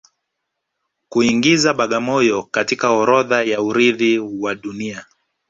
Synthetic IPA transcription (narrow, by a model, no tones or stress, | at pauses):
kuiŋɡizaɓaɠamɔjɔkatikaɔɾɔðajauɾiðiwaɗunia